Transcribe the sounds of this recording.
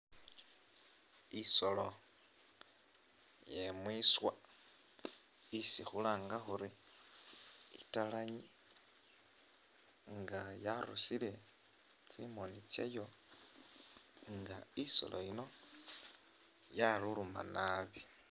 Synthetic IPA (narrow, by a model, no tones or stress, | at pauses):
iso̞lo̞ | jemwiswa | isixulaːŋɡaxuɾi | ḭtalaɲi | ŋɡajaɾusile̞ | t͡simonit͡sjḛjo̞ | ŋɡaiso̞̰lo̞̰ino̞ | jaluluma̰naβi